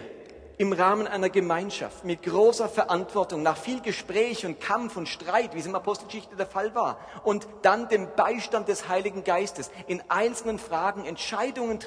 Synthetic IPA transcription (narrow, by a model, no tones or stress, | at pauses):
ʔɪmʁaːmənʔaɪnɐɡəmaɪnʃa̰ftmɪtɡ̥ʁoːsɐfɛɐʔantv̥ɔɐtʊŋnaːχfiːlɡəʃpʁ̥ɛːçʊnt̚kʰamfʊntʃtʁ̥aɪtv̥iːsɪnapʰɔstl̩ɡəʃɪçtədeːɐfalvaːɐ | ʔʊnt | d̥andeːmbaɪʃtant̚d̥ɛshaɪlɪɡŋ̩ɡaɪstəsʔɪnʔaɪnt͡sl̩nənfʁ̥aːɡŋ̩ɛntʃaɪdʊŋənt